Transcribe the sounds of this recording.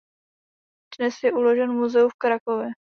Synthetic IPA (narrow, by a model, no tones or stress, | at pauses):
d̥nɛsjɛʔulo̞ʒɛnmuzɛufkɾakovjɛ